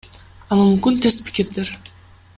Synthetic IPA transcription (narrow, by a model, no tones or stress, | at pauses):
ɑlˠɯmymkynt̪ʰeɾspʰi̥kiɾd̪eɾ